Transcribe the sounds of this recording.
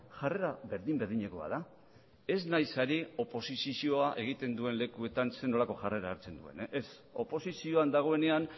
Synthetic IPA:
ʝare̞ɾaβe̞ɾðimbe̞ɾðiɲe̞ko̞a̰ða | e̞znajsaɾio̞po̞sisisio̞aʔe̞ɣ̞it̪e̞nd̪ue̞nle̞kue̞t̪anse̞no̞lako̞ʝare̞ɾaːɾt͡send̪ue̞̰nʔes | o̞̰po̞sisio̞and̪aɣ̞o̞e̞ne̞an

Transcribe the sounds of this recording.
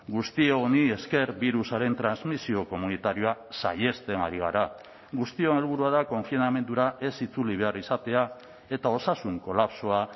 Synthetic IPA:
ɡust̪ieɣonie̞ske̞ɾβiɾusaɾe̞nt̪ɾanzmisio̞ko̞munit̪aɾio̞asa̰je̞st̪e̞na̰ɾiɣ̞a̰ɾa | ɣust̪io̞ne̞lβuɾuað̞ako̞ɱfiname̞nd̪uɾaʔe̞sit͡suliβ̞e̞arisat̪e̞a | e̞t̪ao̞sasuŋko̞lapso̞a

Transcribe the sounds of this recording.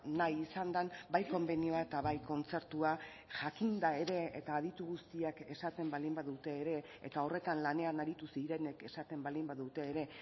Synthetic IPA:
najisand̪anbajko̞mbe̞nio̞ae̞t̪aβajko̞nt͡se̞ɾt̪ua | ʝakind̪ae̞ɾe̞et̪aːðit̪uɣust̪iake̞sat̪e̞mbald̪imbaðut̪e̞ːɾe̞ḛt̪ao̞re̞t̪anlane̞anaɾit̪usiɾe̞ne̞ke̞sat̪e̞mbald̪imbaðut̪e̞ːɾe̞

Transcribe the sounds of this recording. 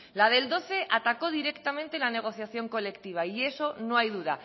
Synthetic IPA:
lað̞e̞ld̪o̞θe̞ʔat̪ako̞ð̞iɾe̞kt̪amẽnt̪elane̞ɣ̞o̞θjaθjo̞ŋko̞le̞kt̪iβ̞aie̞so̞noajðuð̞a

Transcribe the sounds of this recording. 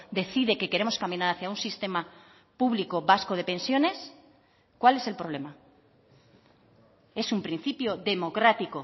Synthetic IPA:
d̪e̞θiðeke̞ke̞ɾe̞mo̞skamĩnaɾaθjaunsist̪e̞ma | puβliko̞βasko̞ð̞e̞pẽ̞nsjo̞ne̞s | kwale̞se̞lpɾo̞β̞le̞ma | e̞sumpɾĩn̟θipjo̞ðe̞mo̞kɾat̪iko̞

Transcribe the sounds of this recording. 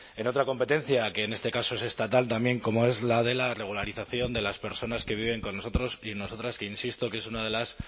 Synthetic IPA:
e̞no̞t̪ɾako̞mpe̞t̪e̞n̟θjake̞ːne̞st̪e̞kasoe̞se̞st̪at̪alt̪ambje̞ŋko̞mo̞e̞zlaðe̞lare̞ɣ̞ulaɾiθaθjo̞nd̪e̞laspe̞ɾso̞naske̞β̞iβ̞e̞ŋko̞no̞so̞t̪ɾo̞sino̞so̞t̪ɾaskeinsist̪o̞ke̞sunað̞e̞las

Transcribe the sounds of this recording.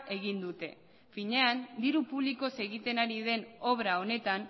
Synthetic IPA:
e̞ɣ̞ind̪ut̪e̞̰ | fiɲe̞and̪iɾupuβliko̞se̞ɣit̪e̞naɾið̞e̞no̞β̞ɾao̞ne̞t̪an

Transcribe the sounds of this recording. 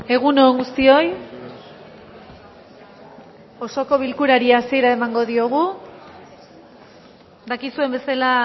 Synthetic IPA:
e̞ɣ̞unoŋɡust̪io̞j | o̞so̞ko̞β̞ilkuɾaɾiaːsie̞ɾaemaŋɡo̞ðio̞ɣ̞u | d̪akisue̞mbe̞sala

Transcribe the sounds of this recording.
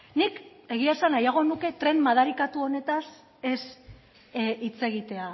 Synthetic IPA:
nik | e̞ɣ̞iasanajaɣ̞o̞nuke̞t̪ɾe̞nmaðaɾikat̪uo̞ne̞t̪as | e̞s | it͡se̞ɣit̪e̞a

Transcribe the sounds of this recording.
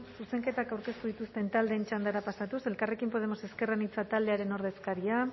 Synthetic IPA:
suse̞ŋke̞t̪akawɾke̞st̪uð̞it̪ust̪e̞nt̪ald̪e̞ːnt͡ʃand̪aɾapasat̪use̞lkare̞kimpo̞ðe̞mo̞se̞ske̞ranit͡sat̪ald̪e̞aɾe̞no̞ɾð̞e̞skaɾia

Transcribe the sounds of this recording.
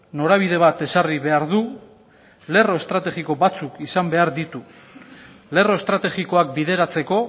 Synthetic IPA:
no̞ɾaβ̞iðe̞β̞at̪e̞sariβe̞aɾðu | le̞ro̞est̪ɾat̪e̞ɣiko̞bat͡sukisambe̞aɾðit̪u | le̞ro̞est̪ɾat̪e̞ɣiko̞ak̚biðe̞ɾat͡se̞ko̞

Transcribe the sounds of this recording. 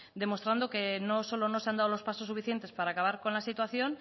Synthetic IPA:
d̪e̞mo̞st̪ɾand̪o̞ke̞no̞so̞lono̞seand̪aðolo̞spasosːufiθje̞nt̪e̞spaɾaːkaβ̞aɾko̞nlasit̪waθjo̞n

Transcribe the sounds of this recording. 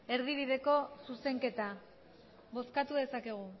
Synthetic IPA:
e̞ɾðiβ̞iðe̞ko̞suse̞ŋke̞t̪a | βo̞skat̪uðe̞sake̞ɣ̞u

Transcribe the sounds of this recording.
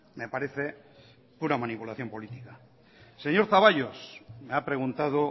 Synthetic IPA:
me̞paɾe̞θe̞ | puɾamanipulaθjo̞mpo̞lit̪ika | se̞ɲo̞ɾθaβ̞aʎosmeapɾe̞ɣunt̪að̞o

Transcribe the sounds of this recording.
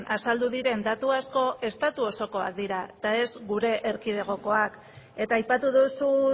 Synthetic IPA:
nʔasald̪uðiɾe̞nd̪at̪uasko̞ʔe̞st̪at̪uo̞so̞ko̞a̰k̚d̪iɾaet̪ae̞zɡuɾe̞ʔeɾkiðe̞ɣ̞o̞ko̞ak | e̞t̪aːjpat̪uðusu

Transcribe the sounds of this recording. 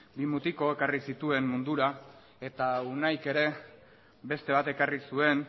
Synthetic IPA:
bimut̪iko̞e̞karisit̪ue̞mmund̪uɾa | e̞t̪aunajke̞ɾe̞ | be̞st̪e̞βat̪e̞karisue̞n

